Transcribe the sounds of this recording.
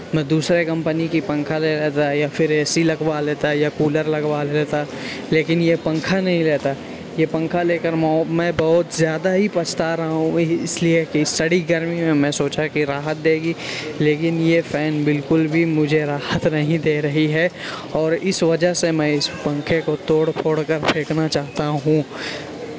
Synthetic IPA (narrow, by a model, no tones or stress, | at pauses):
mɛ̃ːd̪uːsɾekɐ̃mpənikipɐ̃ŋkʰaleleːt̪ajafɪɾeːsilɐɡwaleːt̪aɦjakuːləɾlɐɡwaleːt̪a | leːkɪnjepɐ̃ŋkʰanɐɦĩleːt̪a | jepɐ̃ŋkʰaleːkəɾmɔːmɛ̃ːbɐɦʊt̪zjaːd̪aɦipɐt͡ʃʰt̪aɾɐɦaɦũɪsliekisːɐɽiɡɐɾmimẽmɛ̃soːt͡ʃakiɾaːɦət̪̚d̪eːɡileːkɪnjefʰɛːnbɪlkʊlbʱimʊd͡ʒʱeɾaːɦət̪nɐɦĩd̪eːɾɐɦiɦɛː | ɔːɾɪsʋɐd͡ʒəɦsemɛ̃ɪspɐ̃ŋkʰekot̪oːɽpʰoːɽkəɾpʰeːknat͡ʃaːɦt̪aɦũ